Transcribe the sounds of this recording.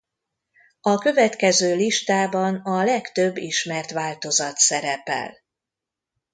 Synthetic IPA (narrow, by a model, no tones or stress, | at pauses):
ɒkø̞vɛt̪kɛzøːliʃt̪aːbɒnɒlɛkt̪ø̞bːiʃmɛrt̪ʋaːlt̪o̞zɒt̪sɛɾɛpɛ̰l